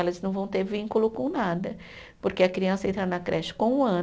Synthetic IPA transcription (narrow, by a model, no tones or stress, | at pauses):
ɛlɐznɐ̃w̃vɐ̃w̃t̪eɾvĩŋkulʊkõnad̪ɐ | poɾkeɐkɾiɐ̃sɐẽnt̪ɾanɐkɾʔɛʃɪ̥kõũɐ̃